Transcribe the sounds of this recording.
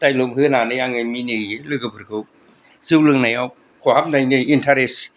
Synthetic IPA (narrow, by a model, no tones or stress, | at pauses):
tajlomɦɯnanɯjaŋɯminɯjɯlɯɡɯbɯɾɡɯw | zɯwlɯŋnajaw | kʰohap̚najnɯintʰaɾes